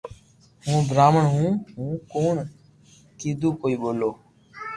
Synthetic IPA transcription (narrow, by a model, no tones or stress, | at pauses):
ɦũːɡɾaːməɳɦũːɦũːkoːɳ | kiːd̪uːkoːiːɓoːloː